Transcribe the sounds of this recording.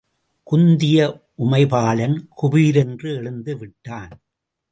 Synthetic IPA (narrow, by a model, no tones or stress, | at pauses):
kʊnd̪ɪjɐ | ʔʊmɐɪpaːlɐnkʊbiːɾɛndrɯɛɭɯnd̪ɯʋɪʈːaːn